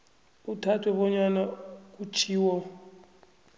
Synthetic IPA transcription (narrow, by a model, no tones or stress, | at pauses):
utʰatʰwɛɓɔɲanak̬ʼut͡ʃʰiːwɔ